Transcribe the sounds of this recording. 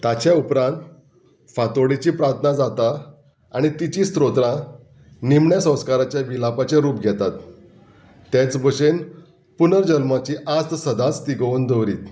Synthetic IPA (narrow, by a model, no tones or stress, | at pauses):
t̪at͡ɕjaupɾãnt̪ | fat̪oɽit͡ɕiːpɾaɾt̪ʰnad͡zat̪a | aɽ̃it̪it͡ɕiːst̪ɾot̪ɾã | nimɳjasə̃w̃skaɾat͡ɕjaʋilapat͡ɕeɾuːpɡʱɛt̪at̪ː | jat͡sbʱəɕen | punəɾd͡ʑəlmat͡ɕiːʔast̪səd̪at͡st̪iɡəənd̪əʋɾiːt̪